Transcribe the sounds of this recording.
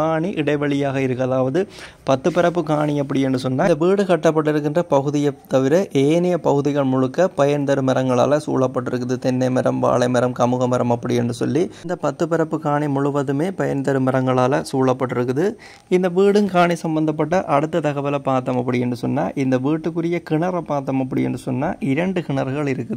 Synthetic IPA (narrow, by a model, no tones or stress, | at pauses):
kaːɳiʔɪɽɐɪʋɐɭɪjaːɣɐɪɾɯkːɐlaːʋɐðɯ | pɐt̪ːɯpːɪɾɐp̬ːɯkaːɳiɐp̬ːɐɽɪjɛndɯsɔnːaːd̪ɐʋiːɽɯkɐʈːɐp̬ːɐʈ̬ːɪɾɯk̬ːɪndrɐpɐɣɯðɪjɐt̪ːɐʋɪɾɐʔeːnɪjɐpɐɣɯðɪɣɐɭmʊɻɯkːɐpɐjɐnd̪ɐɾɯmɐɾɐŋɡɐɭa̰ːlɐsṵːɭɐpːɐʈːɪɾɯk̬ːɯðɯt̪ɛnːɐɪmɐɾɐmʋa̰ːɭɐɪmɐɾɐmkɐmɯɣɐmɐɾɐmɐpːɐɽɪɛndrɯsɔ̰lːind̪ɐpɐt̪ːɯpɪɾɐpːɯkaːɳimʊɻʊʋɐðɯmeːpɐjɐnd̪ɐɾɯmɛɾɐŋɡɐɭaːlɐsuːɭɐpːɐʈːɪɾɯkːɯðɯ | ɪnd̪ɐʋiːɽɯnkaːɳisɐmbɐnd̪ɐp̬ːɐʈ̬ːɐʔɐɽɯt̪ːɐt̪ɐɣɐʋɐlɐpaːt̪ːɐmɐpːɐɽɪjɛndɯsɔnːaːʔɪnd̪ɐʋiːʈːɯkːɯrɪjɐkɪɳɐɾɐpːaːt̪̬ːɐmɐp̬ːɐɽɪjɛ̰ndrɯsɔnːaːʔɪɾɐɳɖɯkɪɳɐɾɣɐɭɪɾɯkːɯðɯ